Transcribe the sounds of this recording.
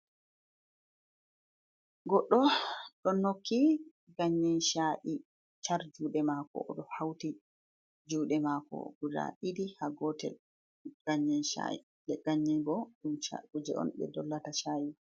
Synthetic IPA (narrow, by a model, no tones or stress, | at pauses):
ɡɔɗːɔɗɔnːokʰːi | ɡaɲːɛnʃaʔi | t͡ʃaɾd͡ʒuɗɛmakɔ̰ɗɔhawti | d͡ʒuːɗɛmakɔ̰ɡ̥uda̰ʔidihaɡɔtɛ̰ | ɡ̥aɲːɛnʃa̰ʔḭ | ɗɛɡ̥aɲːɛnbɔɗumʃa̰kud͡ʒɛ̰ɔ̰nɓɛ̰dɔlːataʃaːji